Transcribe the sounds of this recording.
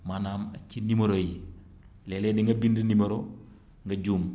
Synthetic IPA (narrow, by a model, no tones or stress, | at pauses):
manaːma̰t͡ʃːinimoɾoji | lɛlediŋɡɐbindinimoɾo | ŋɡɐɟuːm